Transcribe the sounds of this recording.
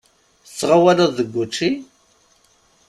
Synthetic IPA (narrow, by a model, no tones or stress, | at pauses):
ət͡sːʁawæləðˤðəɡʷːut͡ʃːi